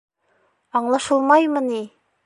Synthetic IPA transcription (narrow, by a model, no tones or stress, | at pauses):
ɑɴlˠɑʃɤlˠmɑjməni